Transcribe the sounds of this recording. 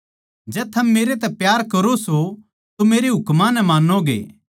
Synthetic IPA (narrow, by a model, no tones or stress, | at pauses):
d͡ʒɛːt̪ʰɐmːeːɾet̪ɛpjaːɾkɐɾoso | t̪omeːɾeɦʊkmãnɛmaːnːoɡḛː